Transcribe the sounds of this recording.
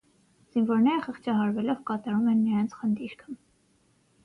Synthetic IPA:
z̥invɔɾnɛɾəχəχt͡ʃʰɑɦɑɾvɛlɔvkɑt̪ɑɾumɛnːəɾɑnt͡sʰχənd̪iɾkʰə

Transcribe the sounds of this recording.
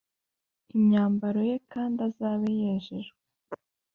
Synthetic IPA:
imɲaːmbaɾo̞je̞kaːndazaːβejeːʒeɾ

